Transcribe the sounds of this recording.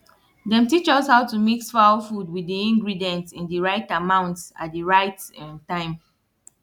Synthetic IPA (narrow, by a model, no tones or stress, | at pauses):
dɛ̃mtit͡ʃɔshaʊtumiksfaʊfud̚widiĩŋɡɹidiɛ̃ntĩndəɹaɪtamãʊ̃ntsa̰t̚diɹaɪtɛ̃ntãɪ̃m